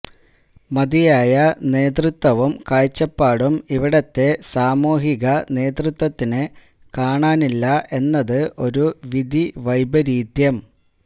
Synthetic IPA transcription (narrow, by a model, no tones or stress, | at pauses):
mɐd̪ijaːjɐne̞ːd̪rut̪wɐʋumkaːjt͡ɕːɐpːaːɽumiʋiɽɐt̪ːe̞saːmoːɦiɣɐne̞ːd̪rɨt̪wɐt̪ːinɨ | kaːɳaːnilːɐʔe̞nːɐðɨʔo̞ɾuʋid̪ʱiʋɐjbɐɾiːd̪jɐm